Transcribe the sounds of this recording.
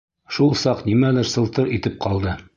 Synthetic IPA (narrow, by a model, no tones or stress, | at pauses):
ʃulˠsɑqnimælɘɾsɤ̆lˠt̪ɤɾit̪ɘp̚qɑlˠd̪ɤ